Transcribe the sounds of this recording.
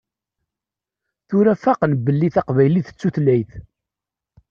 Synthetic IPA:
θʊɾæfaqnəbːəlːiθɑqvæjliθə̥t͡sːuθlæjθ

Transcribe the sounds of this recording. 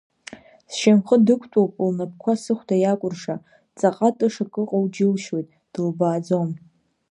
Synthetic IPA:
sʃamχədɨkʷʰtʷʼowpʼlnap̚kʷʰasɨχʷdajakʷʼʊrʂa | t͡sʼaqʼatʼɨʂakʼɨqʼowd͡ʒɪlʃwo̞jtʼ | d̥ɨlbaːd͡zom

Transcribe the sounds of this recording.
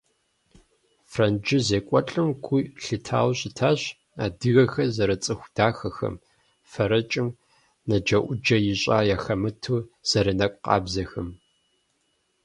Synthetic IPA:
frɐnd͡ʒɪzeːkʷʼɔt͡ɬʼɨmkʷʰuɬɨtʰa̰ːwɕʼɪtʰaːɕ | a̰ːdɨɣɐxɐzɐɾɐt͡sʼɨxʷd̥aːxɐxɐ̰m | fɐɾɐt͡ʃʼɪm | nɐd͡ʒɐʔʷʊd͡ʒɐjɪɕʼaːjaːxɐmɨtʰuːz̥ɐɾɐnɐkʷʼqɑ̰ːbzɐxɐm

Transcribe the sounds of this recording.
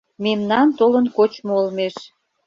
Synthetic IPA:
memnɑnt̪olənkot͡ɕmoolmeʃ

